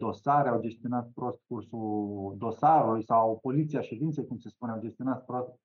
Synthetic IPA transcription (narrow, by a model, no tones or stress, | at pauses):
d̪o̞saɾeawd͡ʒe̞st̪io̞nat̪̚pɾo̞st̪kursuld̪o̞saɾulujsawpo̞lit̪siaʃe̞d̪int̪sejkumse̞spuneawd͡ʒe̞st̪io̞nat̪pɾost̪̚